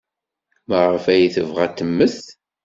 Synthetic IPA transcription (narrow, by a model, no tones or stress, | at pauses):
məʁəfæjiθəvʁæt̪ːəmːəθt